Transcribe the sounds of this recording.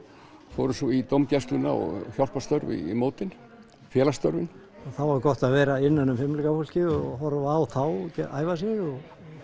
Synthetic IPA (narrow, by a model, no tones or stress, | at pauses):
foːwɾʏsɔit̪owmcɛst̪lʏna̰ɔ̰ɣçjawl̥past̪œɾvḭmoːwt̪ɪn | fjɛːlast̪œɾvɪn | θawaɾɾkɔht̪aðvɛːɾaɪnːanːʏmfɪmlikafowl̥cɪɔɦɔɾvːwθawcɛa̰ːjvasjɛɣɔɣ